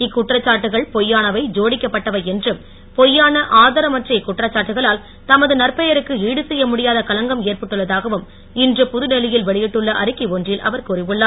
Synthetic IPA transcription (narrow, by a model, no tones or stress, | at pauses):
ɪkːʊʈrɐt͡ʃːaːʈːɯɣɐɭpɔjːaːnɐʋɐɪd͡ʒoːɽɪkːɐpːɐʈːɐʋɐɛndrɯm | pɔjːaːnɐʔaːðɐɾɐmɐʈrɐɪkːʊʈrɐt͡ʃːaːʈːɯɣɐɭaːl | t̪ɐmɐðɯnɐrpɐjɐɾɯkːɯiːɽɯsɛjːɐmʊɽɪjaːðɐkɐlɐŋɡɐmeːrpɐʈːɯɭːɐðaːɣɐʋɯm | ɪndrɯpʊðɯnɛlɪjɪlʋɛɭɪjɪʈːɯɭːɐʔɐ̰ɾɯkːiʋondrɪlʔɐ̰ʋɐɾkurɪʋɯɭːaː